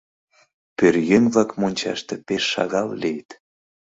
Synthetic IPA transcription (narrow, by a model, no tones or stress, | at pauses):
pørjenβlɑkmonʲt͡ɕɑ̰ʃt̪ĕpeʃːɑ̰ɣɑllejt̪